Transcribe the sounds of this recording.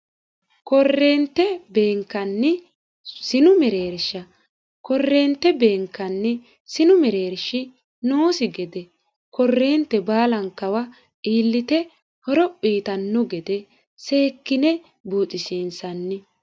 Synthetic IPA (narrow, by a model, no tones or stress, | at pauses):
kɔrːe̞ːnt̪ːɛbe̞ːŋkːɐnːɪ | sɪnʊmɛɾe̞ːɾʃɐ | kɔrːeːnt̪ːɛbe̞ːŋkːɐnːɪ | sɪnʊmɛɾe̞ːɾʃɪ | noːsɪɡɛd̪ɛ | kɔrːeːnt̪ːɛbaːlɐŋkɐwɐ | iːlːɪt̪ɛ | hɔɾɔpʼːiːt̪ɐnːɔɡɛd̪ɛ | se̞ːkːɪnɛ | buːt͡sʼɪsiːnsɐnːɪ